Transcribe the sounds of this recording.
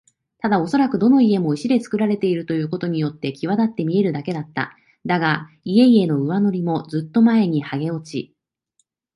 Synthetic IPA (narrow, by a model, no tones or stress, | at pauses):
t̪ad̪ao̞so̞ɾakɯ̟d̪o̞no̞ie̞mo̞iɕid̪e̞t͡sɨ̥kɯ̟ɾaɾe̞t̪e̞iɾɯ̟t̪o̞jɯ̟ːko̞t̪o̞ɲ̟ijo̞t̪ːe̞kʲiβ̞ad̪at̪ːe̞mʲie̞ɾɯ̟d̪ake̞d̪at̪ːa̰ | d̪aɡa | ie̞ie̞no̞ɯ̟βano̞ɾʲimo̞d͡zɨt̪ːo̞mae̞ɲ̟ihaɡe̞o̞t͡ɕi